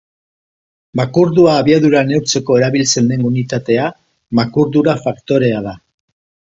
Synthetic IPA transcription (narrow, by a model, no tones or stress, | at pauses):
makuɾðuaːβiaðuɾane̞wɾt͡se̞ko̞e̞ɾaβilt͡se̞nd̪e̞ŋunit̪at̪e̞a | makuɾðuɾafakt̪o̞ɾe̞aða